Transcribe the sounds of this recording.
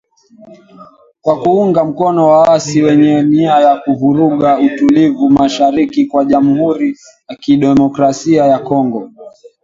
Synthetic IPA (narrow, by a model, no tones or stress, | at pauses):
kwakuuŋɡam̩kɔnɔwawasiwɛɲɛniajakuɦuɾuɠautulivumaʃaɾikikwaʄamuhuɾi | jakiɗɛmɔkɾasiajakɔŋɡɔ